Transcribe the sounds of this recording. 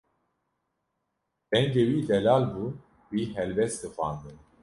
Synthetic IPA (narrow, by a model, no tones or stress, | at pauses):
b̥ɛŋɡewiːd̪ɛlaːlbu | wiːɦɛlbɛst̪ɨxʷɑ̰ːnd̪ɨn